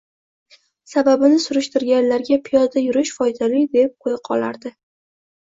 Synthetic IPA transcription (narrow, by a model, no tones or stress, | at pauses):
sababɪnɪsʊɾʊʃt̪ɪɾɡʲanlaɾɡʲapʰɪjɒzajʊɾɪʃfɒjd̪alɪd̪e̞p̚qʰojɪqʰɒ̰la̰ɾd̪ɪ